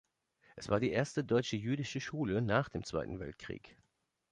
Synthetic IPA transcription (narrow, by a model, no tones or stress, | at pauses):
ʔɛsv̥aːɐdiːʔeːɐstədɔʏt͡ʃəjyːdɪʃəʃuːlənaːχd̥eːmt͡sv̥a̰ɪtn̩vɛ̰ltkʁ̥ḭːk